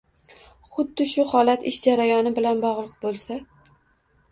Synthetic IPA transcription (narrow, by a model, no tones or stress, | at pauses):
χʊd̪ːɪʃʊhɒlat̪ɪʃd͡ʒaɾajɒnɪbɪlanbɒʁlˠɨq̚bolˠsa